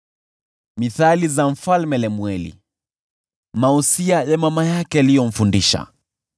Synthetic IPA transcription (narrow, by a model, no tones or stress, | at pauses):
miθalizam̩falmɛlɛmwɛlḭ | mausiajamamajakɛalijɔm̩fundiʃa̰